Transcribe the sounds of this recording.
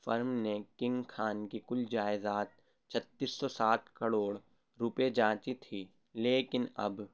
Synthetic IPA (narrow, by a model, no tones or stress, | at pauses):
fɐɾmnekɪ̃ŋɡkʰaːnkikʊld͡ʒaːɪzaːt̪̚ | t͡ʃʰɐt̪ːiːsːɔsaːt̪ʰkɐɽoːɽ | ɾʊped͡ʒãːt͡ʃit̪ʰiː | leːkɪnɐ̰b